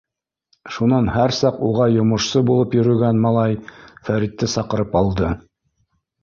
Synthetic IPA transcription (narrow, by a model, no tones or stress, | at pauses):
ʃunɑnhæɾsɑquʁɑjŏmŏʃsɤbulˠɤpjɵ̆ɾɵ̆ɡænmɑlˠɑjfæɾit̪ːɘsɑqɤ̆ɾɤpɑlˠd̪ɤ